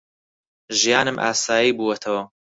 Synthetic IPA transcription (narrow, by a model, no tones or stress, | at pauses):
ʒijaːnɨmʔa̰ːsaːjiːbuːwɐt̪ʰɐwɐ